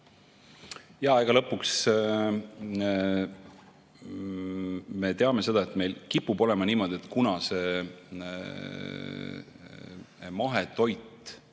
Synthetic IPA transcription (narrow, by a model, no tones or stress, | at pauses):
jɑeɡ̥ɑlɤpːˑuks | me̞t̪eɑme̞se̞d̪̥ɑet̪me̞jlkipːubo̞lemɑniːmo̞d̪̥iet̪ˑkunɑse̞ | mɑɦet̪o̞jt̪ːˑ